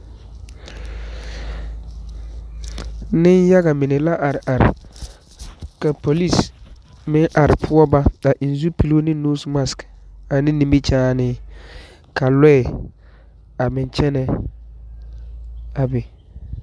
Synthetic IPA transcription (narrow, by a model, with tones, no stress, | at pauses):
nɪ˦nja˦ɣa˨mɪ˨nɪ˨la˦ʔa˨ɾɪ˨ʔa˨ɾɪ̰˨ | ka˨po˨li˦˨s | mɪ˦ŋʔa˨ɾɪ˨pʰʊ˦ɔ˦ba˦a˨ʔi˨n˨zu˦pi˨lo˦nɪ˦nuː˦sma˨ska˨nɪ̃˦ni˨mbi˦t͡ʃaː˦nɪː˦ | ka˨lɛ˦˨ | a˨mɪ˨nt͡ʃɛ˦nɛ˨ | a˨bɛ˨